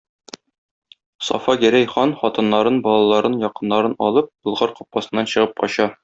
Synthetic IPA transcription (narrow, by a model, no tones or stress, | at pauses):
sɒ̰fɑɡæɾæjχɑnχɒt̪ɤ̆nːɑɾɤnbɒlˠɑlˠɑɾɤnjɒqɤ̆nːɑɾɤnɒlˠɤp̚bŏlˠʁɑɾqɒ̥p̚qɑsɤ̆nːɑnɕɤ̆ʁɤpqɒ̰ɕɑ